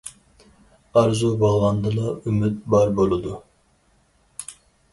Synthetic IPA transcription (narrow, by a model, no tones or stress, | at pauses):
ɑɾzubɑlˠɑnd̪ɨlˠɑymyt̪̚bɑɾbolˠud̪u